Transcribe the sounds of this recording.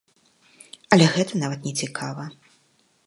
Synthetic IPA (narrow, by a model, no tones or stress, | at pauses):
ɐlʲɛɣɛt̪ɐnavɐt̪nʲɛt͡sʲikʰavɐ